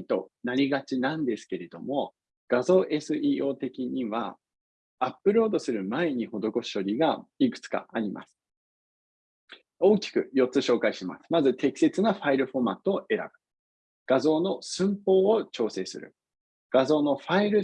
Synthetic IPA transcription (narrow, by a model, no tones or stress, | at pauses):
t̪o̞̰naɾʲiɡat͡ɕinãnd̪e̞sɨ̥ke̞ɾe̞d̪o̞mo̞ | ɡ̥azo̞ːʔe̞sɨiːo̞ːt̪e̞kʲiɲ̟iβa̰ | apːɯ̟ɾo̞ːd̪o̞sɨɾɯ̟mae̞ɲ̟iho̞d̪o̞ko̞ɕi̥o̞ɾʲiɡaikɯ̥t͡sɨ̥ka̰aɾʲima̰sɨ̥ | o̞ːkʲi̥kɯ̟̰jo̞tt͡sːɨɕo̞ːkaiɕima̰sɨ̥mazɨt̪e̞kʲi̥se̞t͡sɨnaɸaiɾɯ̟ɸo̞mat̪ːooʔe̞ɾa̰b̥ɯ̟̥ | ɡ̥azo̞ːno̞sɨ̃mpo̞ːot͡ɕo̞ːse̞ːsɨ̰ɾɯ̟̰ | ɡ̥azo̞ːno̞ɸaiɾɯ̟